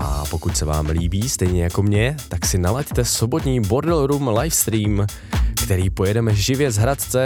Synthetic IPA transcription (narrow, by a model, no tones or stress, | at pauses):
ʔa̰po̞kucsɛva̰ːmliːbiːst̪ɛjɲɛjako̞mɲɛt̪aksɪnalact̪ɛso̞bo̞t̪ɲiːbo̞ɾdɛlɾumlajfst̪ɾiːm | kt̪ɛɾiːpo̞jɛdɛmɛʒɪvjɛzɦɾat̪t͡sɛ